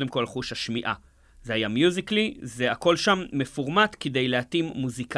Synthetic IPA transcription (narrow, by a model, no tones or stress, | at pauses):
de̞mko̞lχuʃhaʃmiʔa̰ | zehajamjuziklize̞ako̞lʃamːefuʁmat̪ked̪e̞jleat̪imːuzika